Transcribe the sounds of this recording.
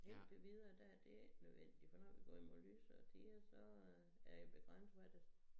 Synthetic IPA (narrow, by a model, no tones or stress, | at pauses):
el̰d̥eʋið̞ˠɐːd̥æd̥e̝nøðˠʋen̰d̥ifɒnɒ̰̽ʋiɡ̥ɒ̰ːimolyːsɒt͡sʰeːæsɒ | æɐjib̥e̝ɡ̥ʁan̰sʋæd̥es